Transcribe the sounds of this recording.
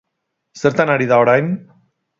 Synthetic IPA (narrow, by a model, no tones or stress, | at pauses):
seɾt̪anaɾiðaoɾajn